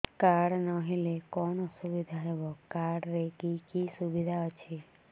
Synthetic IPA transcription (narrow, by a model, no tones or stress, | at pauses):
kaɽnɔɦilekɔnɔsubid̪ʱaɦebɔkaɽɾekikisubid̪ʱaɔt͡ʃʰi